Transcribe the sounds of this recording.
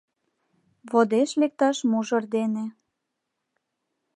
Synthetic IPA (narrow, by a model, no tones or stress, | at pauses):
βod̪eʃlek̚t̪ɑʃmuʒɤrd̪ene